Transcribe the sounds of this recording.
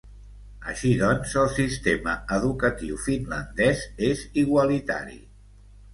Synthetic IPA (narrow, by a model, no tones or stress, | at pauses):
əʃiðɔnzəlˠsist̪eməəðukət̪iwfinlənd̪ɛzeziɣwəlit̪a̰ɾḭ